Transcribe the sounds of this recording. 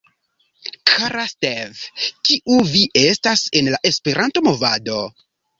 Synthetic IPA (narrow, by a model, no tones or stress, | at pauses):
kʰaɾastevkiʔuviʔe̞stase̞nlaʔe̞spe̞ɾanto̞mo̞vado̞